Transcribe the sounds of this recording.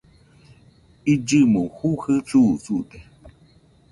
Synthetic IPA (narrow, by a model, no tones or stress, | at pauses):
id͡ʒɨmuhuhɨt͡susut̪e